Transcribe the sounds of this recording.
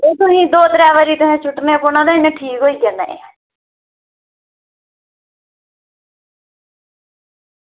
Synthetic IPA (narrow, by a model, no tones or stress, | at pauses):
eːt̪ʊɦĩːd̪oːt̪ɾɛːʋəɾiːt̪ʊɦẽːt͡ʃʰʊʈnepʊnãːd̪aɪnẽʈʰiːkɦoːiːkɛnaḛ